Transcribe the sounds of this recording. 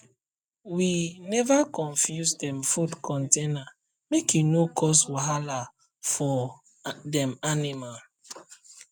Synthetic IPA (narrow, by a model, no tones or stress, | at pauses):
winɛvakɔ̃ɱfjusdɛ̃mfudkʰɔ̃ntena | mekjunokʰɔswaɦala | fɔ | dɛ̃manimal